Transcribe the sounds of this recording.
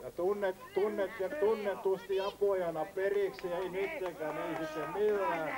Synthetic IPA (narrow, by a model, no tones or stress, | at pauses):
jɑt̪unːett̪unːet̪jet̪unːet̪t̪ust̪iɑpoˑjɑnɑperiksieinyt̪ːeŋkæːneisit̪ːemmilːæː